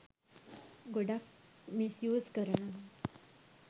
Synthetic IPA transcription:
ɡoɽakmisjod͡zkəɾɳa

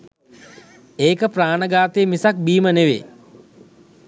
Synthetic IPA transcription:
eːkəpraːnəɡaːt̪ejːmisak̚biːməneʋḛ

